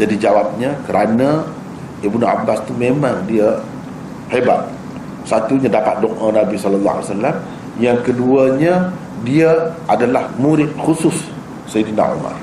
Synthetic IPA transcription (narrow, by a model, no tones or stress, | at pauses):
d͡ʒadid͡ʒawap̚ɲakəɾʔana | ibnua̰bast̪umemaŋdiə | heba̰t̪̚ | sat̪uɲadapat̪̚dɔŋʔənabisɔləlːa̰a̰lsalːam | jaŋkəduəɲə | diaʔadalahmuɾɪt̪̚xusʊsː | ejdina̰ṵma̰r